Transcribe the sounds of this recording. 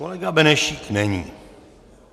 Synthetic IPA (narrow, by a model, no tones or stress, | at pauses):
olɛɡabɛnɛʃiknɛɲḭː